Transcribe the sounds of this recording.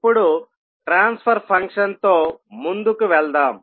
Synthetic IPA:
pːuɽu | ʈɾaːnspʰɐɾpʰɐŋkʂɐnt̪o̞ːmund̪ukuʋɛɭd̪aːm

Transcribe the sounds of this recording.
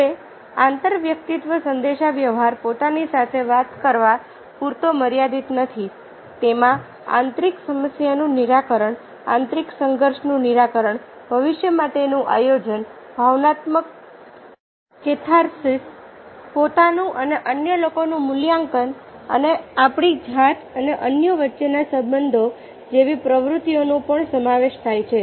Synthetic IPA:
e | ãnt̪əɾʋjək̚t̪it̪ʋəsənd̪eʃaʋjəʋɦaɾpot̪anisat̪ʰeʋat̪kəɾʋa | puɾt̪oməɾjad̪it̪nət̪ʰi | t̪emã | ã̰nt̪ɾiksəməsjanũniɾakəɾəɳ | ã̰nt̪ɾiksəŋɡəɾʃnũniɾakəɾəɳbʱəʋɪʃjəmaʈ̪enũʔa̰jod͡ʒən | bʱaʋnat̪mək̚ | t͡ʃet̪ʰaɾsis | pot̪anũʔəneʔənjəlokonũmʊljãŋkənə̰neapɽid͡ʒʱat̪ʰəneʔənjəʋətːʃenasəbənd̪ʱo | d͡ʒeʋipɾəʋɾut̪ijonũpəɳsəmaʋeʃt̪ʰajt͡ʃʰe

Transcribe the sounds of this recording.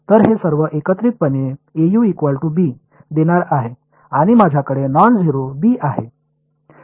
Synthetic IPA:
t̪əɾɦesəɾʋəʔekət̪ɾit̪̚pəneejuikʋalʈubiː | d̪eɽ̃aɾaɦe | aɽ̃imad͡ʑʱjakəɽenɔnd͡zɦiɾobiʔaɦḛ

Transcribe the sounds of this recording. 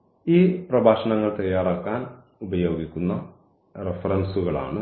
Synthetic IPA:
iːprɐbʱaːʂɐɳɐŋːɐɭt̪ɐjːaːɾaːkːaːn | ubɐjo̞ːɡikʲːunːɐ | refɐɾɐnsuɣɐɭa̰ːɳɨ

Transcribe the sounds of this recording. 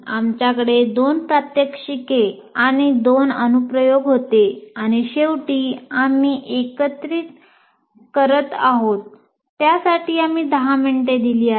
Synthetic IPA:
amt͡ɕjakəɽed̪onpɾat̪jəkʂike | aɽ̃id̪onənupɾəjoɡɦot̪eaɽ̃iɕewʈiːamiːʔekət̪ɾiːt̪ | kəɾət̪aɦot̪ː | jasaʈʰiːamiːd̪əɦameɳʈed̪iliːa

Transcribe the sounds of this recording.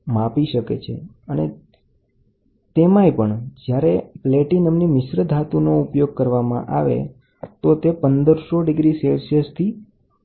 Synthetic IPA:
mapiʃəkḛt͡ʃʰḛ | əne | t̪emãepəɳd͡ʒjaɾepleʈinəmnimɪʃɾəd̪ʱat̪unoupjoɡ̚kəɾʋamã̰ʔaʋḛ | t̪ot̪epənd̪əɾsoɖɪɡɾiselsəst̪ʰi

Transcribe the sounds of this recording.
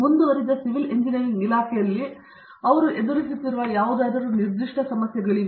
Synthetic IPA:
mund̪uʋɐɾid̪ɐsiʋileɲd͡ʒinɐɾiŋilaːkʰɛjɐlːi | ɐʋɐɾuʔe̞d̪uɾisit̪ːiɾuʋɐjaːʋud̪aːd̪ɐɾuniɾd̪iʂʈɐsɐmɐsjɐɡɐɭiʋ

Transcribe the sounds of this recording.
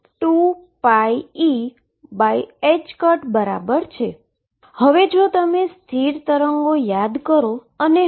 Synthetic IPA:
ʈu | paii | baied͡ʒkəɾʈbəɾa̰bəɾt͡ʃʰe | həʋed͡ʒot̪əmest̪ʰiɾt̪əɾəŋɡojad̪kəɾo | əne

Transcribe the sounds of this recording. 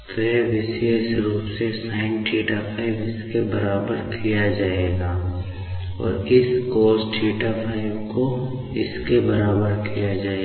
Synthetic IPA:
t̪eʋɪseːsɾuːpsesãːɪ̃ɳʈʰiːʈapʰaːɪbɪskebɐɾaːbəɾkʰijad͡ʒaːeːɡaː | ɔ̰ːɾɪskɔːsʈʰiːʈapʰaːɪbko | ɪskebɐɾaːbəɾkijad͡ʒaːe

